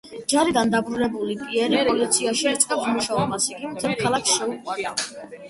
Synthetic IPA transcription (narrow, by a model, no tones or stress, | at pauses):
d͡ʒaɾid̪and̪abɾuɾɛbulipʼiɛɾipɾʼɔlit̪sʰiaʃiɛt̪sʼqʼɛpsmuʃaɔbasiɡimt̪ʰɛlkʰalˠaksʃɛukʼwaɾd̪a